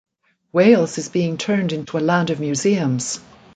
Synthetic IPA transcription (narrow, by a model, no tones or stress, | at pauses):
weɪlˠz̥ɨzbiɪ̃ŋtʰɜ̃˞ndɪ̃ntʰuəlæ̃ndʌvmjʉziɨ̃mz̥